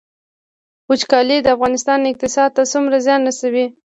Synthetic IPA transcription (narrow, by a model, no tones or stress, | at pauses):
ut͡ʃkɑlid̪əafɣɑnɪst̪ɑnɪq̚t̪ɪsɑd̪̚t̪asumɾazjɑnɾasawi